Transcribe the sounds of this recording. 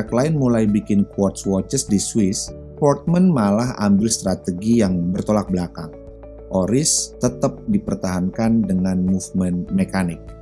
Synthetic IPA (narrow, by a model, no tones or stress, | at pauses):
aklaɪnmulajbikɪnkwɔt̪swɔt͡ʃəsdiswɪs | pɔrt̪̚mənmalaɦa̰mbɪlst̪ɾat̪əɡijaŋbərt̪olak̚blakaŋ | ʔoɾɪst̪ət̪ap̚dipərt̪aɦankandəŋanmufmənmekanɪk̚